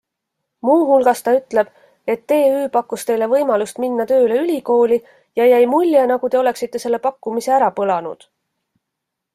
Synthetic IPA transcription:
muːɦulɡ̥ɑst̪ɑyt̪ˑle̞b̥ | e̞t̪ːe̞ːyːpɑkːust̪e̞jle̞vɤjmɑlust̪minːɑt̪ø̞ːle̞ylʲiko̞ːli | jɑjæjmulʲjenɑɡ̥ut̪e̞o̞le̞ksit̪ːe̞se̞lːe̞pɑkːumise̞æɾɑpɤlɑnṵd̪̥

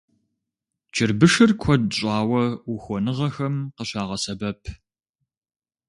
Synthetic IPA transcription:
t͡ʃʰɪrbɨʂɨrkʷʰɔdɕʼɑːwɐwuxʷɔnɨʁɐxɐmqəɕaːʁɐsɐbɐpʰ

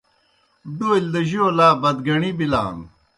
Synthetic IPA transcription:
d̪oild̪ɐʑioːlaːbɐd̪ɡɐɳibila̰ːn

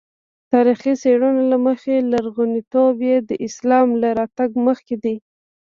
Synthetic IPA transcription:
t̪ɑɾixiseɽunalaməxelaɾɣʊnit̪objed̪əʔɪslɑmlaɾɑt̪aɡməxked̪i

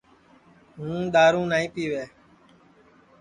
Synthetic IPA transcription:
ɦũːɗ̪aːɾũːnaːĩːpiːʋeː

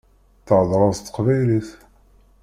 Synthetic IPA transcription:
θʕðˤɾˤɑzt̪ːə̥qvæjliθ

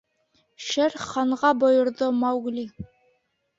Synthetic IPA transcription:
ʃɘɾχɑɴʁɑbŏjŏɾðomɑwɡli

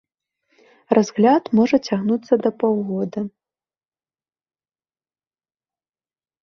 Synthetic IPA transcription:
razɣlʲat̪mɔʐɐt͡sʲaɣnut̪sːɐd̪ɐpawɣɔd̪ɐ

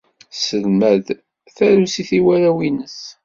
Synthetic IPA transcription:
səlmæð | θæɾusiθiwæɾæwinəs

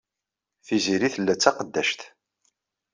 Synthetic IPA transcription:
θiziɾiθəlːæt͡sːɑqəd̪ːæʃt̪

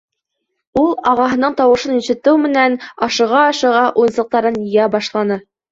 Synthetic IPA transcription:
ulˠɑʁɑɦɤ̆nɤɴt̪ɑwɤ̆ʃɤniɕɘ̆t̪ɘwmɘ̆nænɑʃɤ̆ʁɑːʃɤ̆ʁɑʔujɤnsɤ̆q̚t̪ɑɾɤnjɤ̆jæbɑʃlˠɑnɤ

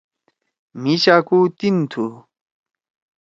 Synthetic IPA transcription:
miɕakut̪int̪ʰu

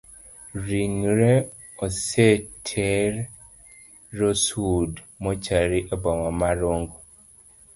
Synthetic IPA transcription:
ɾiŋɾe | ɔsetʰɛɾ | osud | mɔt͡ʃaɾiʔabɔmamaɾoŋɡo

